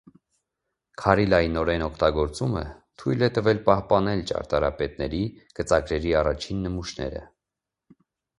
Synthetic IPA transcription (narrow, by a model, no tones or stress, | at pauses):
kʰɑɾilɑjinɔɾɛnɔkʰt̪ɑɡɔɾt͡sumə̰t̪ʰujlɛt̪əvɛlpɑhpɑnɛlt͡ʃɑ̰ɾt̪ɑɾɑ̰pɛt̪̚nɛɾikət͡sɑɡɾɛɾiɑrɑt͡ʃʰinːəmuʃnɛ̰ɾə̰